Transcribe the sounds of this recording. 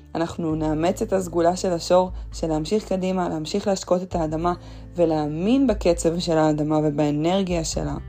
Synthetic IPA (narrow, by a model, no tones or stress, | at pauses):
anaχnuneame̞t͡se̞t̪azɡulaʃe̞laʃo̞ʁʃeleamʃiχkadimaleamʃiχlehaʃko̞t̪e̞t̪aːdama | ve̞leːminbeke̞t͡se̞vʃe̞laːdamave̞baene̞ʁɡijaʃḛla̰